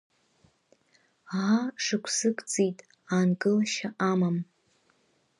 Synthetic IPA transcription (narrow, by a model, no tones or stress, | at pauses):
aaʂɨkʷʰsɨkʼt͡sʼitʼ | anɡʼɨlaʃaʔamam